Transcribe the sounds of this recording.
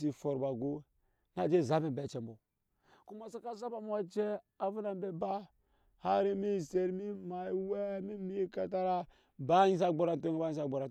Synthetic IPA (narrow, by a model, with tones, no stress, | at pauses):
s̬i˨fo˨ɾba˨ɡo˦ | na˨d͡ʒe˦˨za˦bi˨mbe˨t͡ʃe˨mbo˨ | ku˦ma˨sa˦ka˦za˦ba˨m˦a˦t͡ʃe˦a˨vu˦na˨mbe˨ba˦ | ha˦ɾi˦mi˦se˨ɾmi˦ma˨˦we˦mi˦mi˦ka˨ta˦ɾa˦ | ba˦ji˦s̬a˦ɡ͡bo˦ɾa˨nto˦ŋ˦ba˦ji˦sa˦ɡ͡bo˨ɾa˨